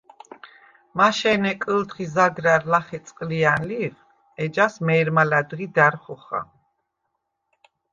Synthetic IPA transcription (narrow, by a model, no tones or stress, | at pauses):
maʃɛnɛkʼəlt̪χizaɡɾaɾlaχɛt̪sʼqʼlianliv | ɛd͡ʒasmɛːɾmalad̪ʁid̪aɾχɔχa̰